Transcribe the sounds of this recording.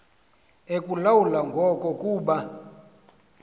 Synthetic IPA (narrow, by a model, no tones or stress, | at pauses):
ekʼulawulaŋɡʱɔkʼɔkʼuːɓa